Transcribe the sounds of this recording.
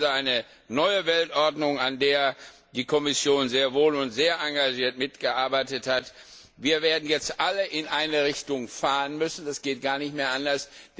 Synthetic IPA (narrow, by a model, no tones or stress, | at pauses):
zaɪnə | nɔʏəvɛltʔɔɐdnʊŋandeːɐ | d̥iːkʰɔmɪsjoːnzeːɐvoːlʊntz̥eːɐʔaŋɡaʒiːɐtmɪtɡ̥əʔaɐbaɪtəthat | viːɐveːɐdn̩jɛt͡stʔaləʔɪnʔaɪnəʁ̞ɪçtʊŋfaːʁənmʏsn̩dasɡ̥eːt̚ɡ̥aːɐnɪçtmeːɐʔandɐs